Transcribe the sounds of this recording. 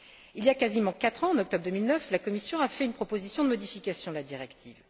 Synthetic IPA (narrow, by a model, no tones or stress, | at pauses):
iljakazimɑ̃kat̪χɑ̃ɑ̃nɔk̚t̪ɔbʁd̪əmilnœflakɔmisjɔ̃afɛynpχɔpozisjɔ̃d̪əmɔd̪ifikʲasjɔ̃d̪əlad̪iʁɛkt̪ʰiv